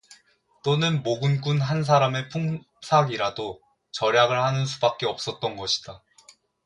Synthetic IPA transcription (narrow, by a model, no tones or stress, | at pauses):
t͈onɯnmoɡɯnɡ͈unɦans̬ʰaɾame̞pʰuŋ | sʰaɡiɾado | t͡ɕʌɾjaɡɯɭhanɯnsʰubak̚k͈e̞ʌp̚s͈ʌt̚t͈ʌnɡʌɕʰi̥d̥a